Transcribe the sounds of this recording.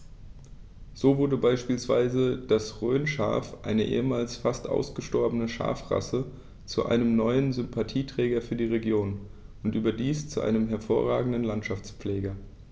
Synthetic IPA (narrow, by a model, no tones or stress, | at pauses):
z̥oːvʊɐdəbaɪʃpiːlsv̥a̰ɪzəd̥asʁøːnʃa̰ɐfʔa̰ɪnəʔḛːəmaːlsfastʔa̰ʊsɡ̥əʃtɔɐbənəʃa̰ɐfʁa̰sə | t͡suʔa̰ɪnəmnɔʏənzʏmpʰatʰiːtʁ̥ɛːɡɐfyːɐdiːʁeɡjoːn | ʔʊntʔyːbɐdiːst͡suʔa̰ɪnəmɦɛɐfoːɐʁa̰ːɡŋ̩dən̩lantʃaft͡spp͡flɛːɡɐ